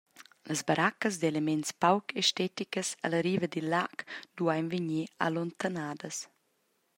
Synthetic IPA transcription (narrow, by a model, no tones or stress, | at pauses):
ləzbaɾʔakəsd̪elemɛnspawkeʃtɛt̪ikəsaləɾiːvəd̪ilːakd̥̪uajnviɲia̰lont̪anaːdəs